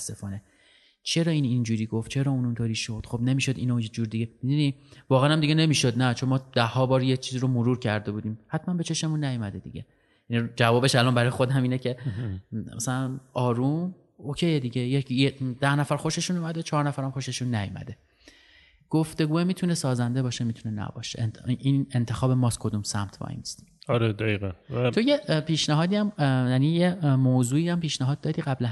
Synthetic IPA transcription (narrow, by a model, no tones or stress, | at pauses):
sːefɒːne̞ | t͡ʃʰe̞ɾɒːiːnind͡ʒuːɾiːɡo̞ft̪t͡ʃʰe̞ɾɒːuːnunt̪ʰoɾiːʃod̪̥xo̞bne̞miːʃod̪inojed͡ʒuːɾd̪iɡemid̪univɒːɣææːnæmd̪iɡe̞ne̞miːʃod̪næt͡ʃʰonmɒːd̪æhːɒːbɒːɾjet͡ʃʰiːziɾomoɾuːɾcʰæɾd̪e̞buːd̪iːmhæt̪ʰmænbe̞t͡ʃʰe̞ʃe̞munːæjomæd̪ed̪ḭɟʲe̞ | jænid͡ʒævɒːbe̞ʃælɒnbæɾɒːjexo̞d̪æmiːnecʰe̞ | mæ̰sælænɒːɾum | ocʰe̞jed̪iɟejejed̪̥æhnæfæɾxo̞ʃe̞ʃuːnumæd̪et͡ʃʰɒːɾnæfæɾæmxo̞ʃe̞ʃunːæjṵmæ̰d̪e̞ | ɡ̥oft̪e̞ɡuːemiːt̪ʰunesɒːzænd̪e̞bɒːʃemit̪ʰune̞næ̰bɒ̰ːʃḛinent̪ʰe̞xɒːbemɒːskʰo̞d̪umsæ̰mt̪ʰbɒ̰jnist̪ɒɾed̪æiɣænt̪ʰojepiːʃnæɦɒːd̪iːæmjæniːjemoːzuːiːæmpiːʃnæɦɒːd̪̚ːɒːd̪iːɢæblæ